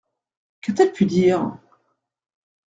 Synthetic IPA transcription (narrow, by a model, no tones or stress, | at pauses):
kat̪ɛpʰyd̪iːʁ